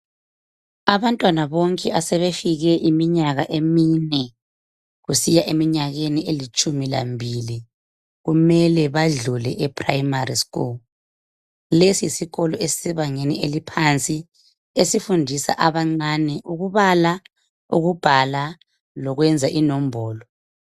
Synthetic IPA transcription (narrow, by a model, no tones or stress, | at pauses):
aβantʼwanaβoŋkʼɛʔasɛβefiɣɛʔimiɲaɣaʔeminɛ | ɣusijaʔemiɲaɣenielit͡ʃʼumila̰mbʱili | ɣumɛlɛβaɮulɛ̰ʔɛpʰʼrajimariskʼṵl | lesiisiɣɔlɔesi̥sɛβaŋenielipʰant͡sʼi | esifundʱisa̰ʔaβaŋ͡ǀanɛʔuɣuβala | ṵɣub̥ʱala | lɔɣwɛnd͡zʱaʔinɔm̩bʱɔːlɔ